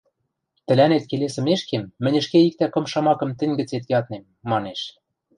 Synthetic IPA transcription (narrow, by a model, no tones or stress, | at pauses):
t̪ɘ̆lænet̪̚kelesɘ̆meʃkemːɘ̆nʲɘ̆ʃkeik̚t̪ækɤ̆mʃɑmɑkɤ̆mt̪ɘ̆nʲɡɘ̆t͡set̪jɑt̪nemːɑneʃ